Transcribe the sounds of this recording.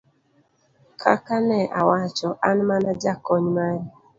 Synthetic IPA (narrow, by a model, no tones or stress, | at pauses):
kʰa̰kanɛʔawat͡ʃɔʔanmanad͡ʒakɔɲmaɾi